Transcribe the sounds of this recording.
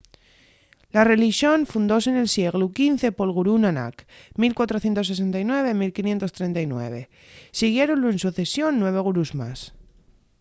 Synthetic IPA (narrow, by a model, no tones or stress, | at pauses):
lare̞liʃjo̞nfund̪o̞sene̞lsje̞ɣlukinθe̞po̞lɣuɾunana̰k | milkwat̪ɾo̞θjent̪o̞s̬es̬e̞nt̪ajnwe̞β̞e̞milkinje̞nt̪o̞st̪ɾe̞nt̪ajnwe̞̰β̞e̞ | siɣ̞je̞ɾo̞nloensuθe̞sjo̞nːwe̞β̞e̞ɣ̞uɾuzma̰s